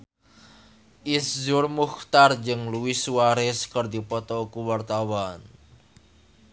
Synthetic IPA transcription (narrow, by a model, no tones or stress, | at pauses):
ʔiszʊrmuxt̪ard͡ʒɨŋluisuaɾɛskərd̪ipɔt̪ɔkuwart̪awan